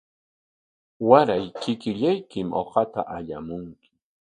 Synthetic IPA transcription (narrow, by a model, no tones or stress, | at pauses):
waɾajkɪkɪʎajkɪmo̰qɑt̪a̰ʔaʎamʊŋkɪ̥